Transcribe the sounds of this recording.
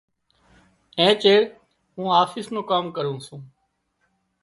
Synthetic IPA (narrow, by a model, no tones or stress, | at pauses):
ẽːt͡ʃeːɽ | ɦũːaːfɪsnõːkaːmkəɾũːsũː